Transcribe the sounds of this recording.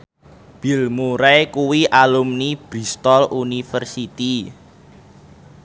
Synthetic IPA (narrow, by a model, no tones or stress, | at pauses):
b̥i̤lmuɾɛkuwiʔalumnib̥ɾi̤st̪ɔlunifərsit̪i